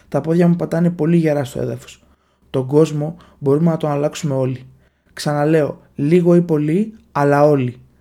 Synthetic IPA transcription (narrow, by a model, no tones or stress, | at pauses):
t̪ɐpo̞ðʝɐmupɐt̪ɐnepo̞liʝeɾɐst̪o̞̰ḛðɐfo̞̥s | t̪o̞ɡo̞zmo̞ | bo̞ɾume̞nɐt̪o̞nɐlɐksume̞o̞li | ksɐnɐle̞o̞̰ | liɣo̞ipo̞liɐlɐo̞li